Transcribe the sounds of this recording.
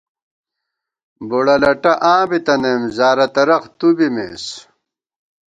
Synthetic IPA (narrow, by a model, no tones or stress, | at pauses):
boɽɐlɐʈɐʔãːbit̪ɐnemzaːɾɐt̪ɐɾɐqt̪ubimḛːs